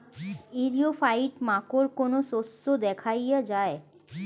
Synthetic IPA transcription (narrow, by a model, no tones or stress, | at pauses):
iɾijofaiʈmakoɾkonososːod̪ɛkʰajjad͡ʒae